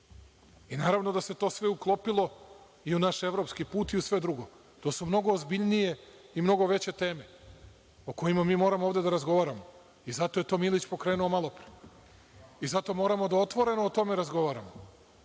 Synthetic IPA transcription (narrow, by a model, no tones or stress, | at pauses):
inaːɾaʋno̞d̪ase̞t̪o̞ːsʋe̞uklˠo̞pilˠo̞ | iunaʃe̞ʋɾo̞pskipuːt̪iusʋe̞d̪ɾuɡo̞ | t̪oːsumno̞ɡoːzbiʎnije̞ | imno̞ɡo̞ʋe̞t͡ɕe̞t̪e̞ːme̞ | oko̞jimamiːmo̞ːɾamooːvd̪e̞d̪aɾazɡo̞ʋaːɾamo̞ | izat̪o̞je̞t̪o̞ːmilit͡ɕpo̞kɾeːnuo̞malˠo̞pɾe | izat̪o̞mo̞ːɾamo̞d̪ao̞t̪ʋo̞ɾe̞noːt̪o̞me̞ɾazɡo̞ʋaːɾamo